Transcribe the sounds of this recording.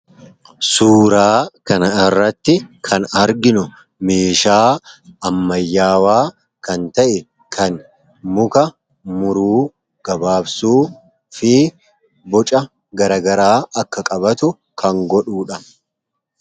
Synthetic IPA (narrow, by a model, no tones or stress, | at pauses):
suːɾaːkɐnɐɪrːɐt̪ːɪkʰɐnɐɾɡɪnʊ | meːʃaːɐmːɐjːaːwaː | kɐnt̪ɐʔɛ | kʰɐn | mʊkɐ | mʊɾuː | ɡ̥ɐbaːbsuː | fɪ | bɔt͡ʃʼɐ | ɡɐɾɐɡɐɾaːʔɐkːɐkʼɐbɐt̪ʊ | kʰɐŋɡɔᶑuːᶑɐ